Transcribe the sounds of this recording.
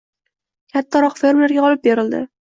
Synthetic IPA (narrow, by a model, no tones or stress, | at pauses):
kʲʰat̪ʰːaɾɒqfe̞ɾmleɾɡʲaɒlɪp̚beɾɪld̪ɪ̰